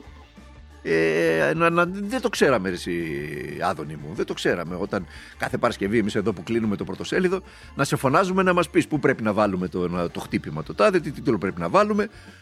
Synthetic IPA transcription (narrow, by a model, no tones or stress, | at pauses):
enɐnɐðet̪okse̞ɾɐmeesiɐ̰ðo̞nimṵðet̪o̞kse̞ɾɐme̞o̞t̪ɐn | kɐθe̞pɐɾɐsce̞viemise̞ðo̞puklinume̞t̪o̞pɾot̪o̞se̞liðo̞ | nɐse̞fo̞nɐzume̞nɐmɐspispupɾe̞pinɐvɐlume̞t̪ont̪o̞xt̪ipimɐt̪ot̪ɐðit̪it̪it̪lopɾepinɐvɐlume̞